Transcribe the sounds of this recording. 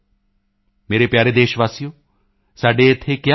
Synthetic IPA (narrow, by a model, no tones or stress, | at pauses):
meːɾepjaːɾed̪eːʃʋaːsijõ | saːɖeɪt̪ʰekja